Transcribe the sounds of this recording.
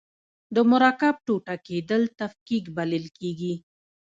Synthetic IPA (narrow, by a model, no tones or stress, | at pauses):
d̪əmʊɾɑkab̚ʈoʈaked̪əlt̪afkikbaləlkeɡi